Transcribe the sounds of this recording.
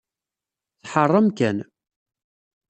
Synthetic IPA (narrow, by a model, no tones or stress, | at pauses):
θħərˤːɑmkæn